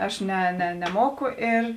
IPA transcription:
ˈɐʃ nʲɛ nʲɛ nʲɛˈmoːkʊ ɪr

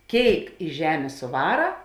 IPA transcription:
ˈkʲeːɪk ɪ ˈʒʲæːmʲeː sʊˈʋɑːrɐ

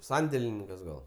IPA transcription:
ˈsɐnʲdʲeːlʲɪnʲɪŋkɐs ˈɡɐlˠ

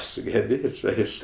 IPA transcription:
sʊɡʲɛˈbʲeːt͡ʃʲ ˈɐɪʃkʊ

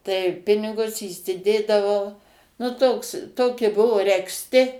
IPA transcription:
tɐɪ ˈpʲɪnʲɪɡʊs iːsʲɪˈdʲeːdɐʋɐʊ nʊ ˈtoːks ˈtoːkʲɪ ˈbʊʋoː rʲɛksʲˈtʲɪ

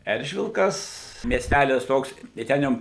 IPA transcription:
ˈɛrʲʒʲʋʲɪlˠkɐs mʲiɛsʲˈtʲælʲɪs ˈtoːks tɐɪ ˈtʲɛn jɛʊ

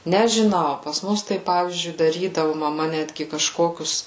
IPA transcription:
nʲɛʒʲɪˈnɐʊ pɐs ˈmʊs ˈtɐɪ ˈpɑːʋʲiːzʲd͡ʒʲʊɪ dɐˈrʲiːdɐʋʊ mɐˈmɐ ˈnʲæːdʲɡʲɪ kɐʃˈkoːkʲʊs

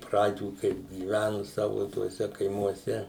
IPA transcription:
ˈprɑːd͡ʒʲuː kɐɪp ɡʲiːˈʋʲænʊ ˈsɑːʋʊ tuɔˈsʲɛ kɐɪmuɔˈsʲɛ

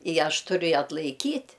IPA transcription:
ɪ ˈɐʃ ˈtʊrʲʊ ɪ ɐtlˠɐɪˈkʲiːtʲ

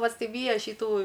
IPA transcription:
pɐsʲɪˈʋʲiːjɛ ʃʲiːˈtuː

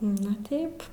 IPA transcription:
ˈnʊ ˈtʲɛɪp

